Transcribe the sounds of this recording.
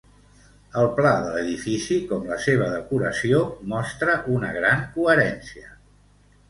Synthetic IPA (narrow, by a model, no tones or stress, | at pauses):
əlˠplaðələðifisikɔmləseβ̞əðəkuɾəsiomɔst̪ɾəʔunəɣ̞ɾaŋkuəɾɛnsiə